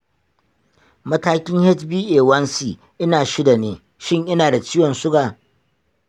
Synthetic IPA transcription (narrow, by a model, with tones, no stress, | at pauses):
mɐ˦taː˦kʲɪ˦ŋhɛ˦tbiː˦ʔeː˨wɐ˦nsiː˨ | ʔɪ˦naː˨ʃɪ˦da˨neː˨˦ | ʃɪ˦ŋʔɪ˦naː˨da˨t͡ʃɪ˦jɔ˨nsʊ˦ɡaː˨